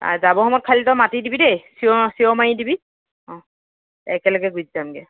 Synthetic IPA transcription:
a̰zabɔɦɔmɔt̚kʰalitɔmatidibidejsiɔsiɔmajidibi | ɔ̃ | ɛ̰kɛlɔɡɛɡud͡ʒizamɡɛ

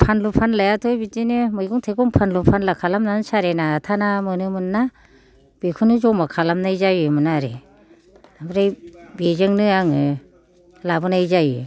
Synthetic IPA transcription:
pʰanlupʰanlajatʰɔjbitinemɯjɡuŋtʰejkɔŋpʰanlupʰanlakʰalamnanɯnsaɾenaːtʰanamɯnɯmɯnːa | b̥ekʰɯnɯzɔmakʰalamnajzajɯmɯnaɾe | amɾejbezɯŋnɯaŋɯ | labɯnajzajɯ

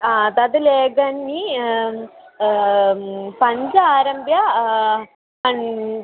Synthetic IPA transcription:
ad̪ɐd̪ɐleːɡɐnːi | pɐɲd͡ʒɐaːɾɐmbʱjɐ | ɐn

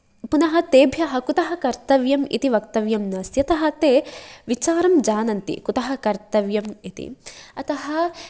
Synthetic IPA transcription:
punɐɦɐt̪eːbʱjɐɦɐkut̪ɐɦɐkɐɾt̪ɐʋjɐmḭt̪iʋɐk̚t̪ɐʋjɐmnɐːsjɐt̪ɐɦɐt̪eːʋit͡ʃaːɾɐmd͡ʒaːnɐnt̪ḭkut̪ɐɦɐkɐɾt̪ɐʋjɐmit̪ḭɐt̪ɐɦɐ

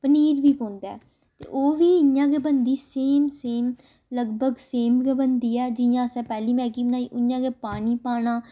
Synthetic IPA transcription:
pəniːɾʋiːpõːnd̪aː | t̪ḛːʔoːʋiːɪjãːɡeːbənd̪iːseːmseːm | ləɡbəɡseːmkebənd̪iːɛːd͡ʒɪjãːsɛ̃ːpɛːliːmɛ̃ːkiːbənaːiːʔʊjãːɡeːpaːniːpaːɽãː

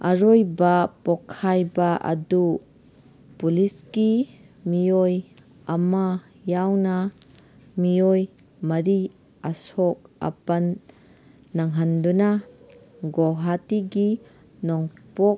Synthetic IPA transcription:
aɾojbapɔkʰːajbaʔɐ̰du | pulisɡi | mioj | ɐma | jawna | mijoj | mɐɾi | asɔk̚ɐ̰pɐnː | aŋɦanduna | ɡoɦatiɡi | nɔŋpɔk̚

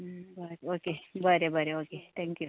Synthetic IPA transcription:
baɾoːkebaɾebɐɾeoːket̪ʰɛ̃ːŋkju

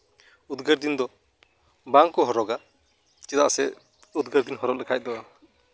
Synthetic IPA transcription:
ud̪ɡəɾd̪ind̪ɔ | baŋkɔɦɔɾɔɡa | t͡ʃɛd̪a̰ʔsɛ | ud̪ɡəɾd̪inɦɔɾɔp̚lɛkʰac̚d̪ɔ

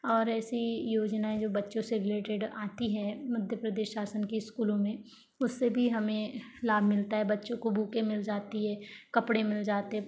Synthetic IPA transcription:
ɔːɾɛːsijoːd͡ʒnaẽd͡ʒoːbɐtːʃõseɾɪleːʈɪɖaːt̪iɦɛ̃mɐd̪ʱjəpɾɐd̪eːʃʃaːsənkiɪskuːlõmẽ | ʊsːebʱiɦɐmẽlaːbʱmɪlt̪aɦɛbɐtːʃõkobʱuːkẽmɪld͡ʒaːt̪iɦɛːkɐpɽemɪld͡ʒaːt̪eɦɛ

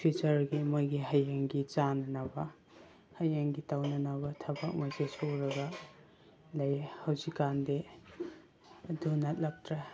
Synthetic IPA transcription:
pʰit͡ʃɐɾɡimojɡiɦajaŋɡit͡ʃanɐnabɐ | hajaŋɡitawnɐnabɐtʰɐbɐk̚mɐsesʰoɾɐɡɐ | lɐjhɐwzikːande | dunɐt̚lɐk̚tɾe

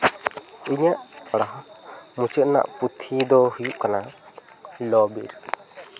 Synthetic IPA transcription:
iɲaʔəɽaɦmut͡ʃəʔ̪̚na̰ʔput̪ʰid̪ɔhujuʔkana | lɔbḭɾ

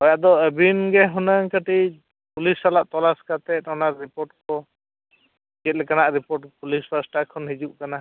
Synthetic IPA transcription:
hɔjaʔd̪ɔebinɡɛɦunəŋkəʈi | pulisalaʔt̪ɔlaskat̪ɛt̪ɔnaɾːipɔɾʈkɔ | ɡɛt̪̚ˀlɛkanaʔɾipɔʈpulispasʈakʰɔnɦid͡ʒuʔkana

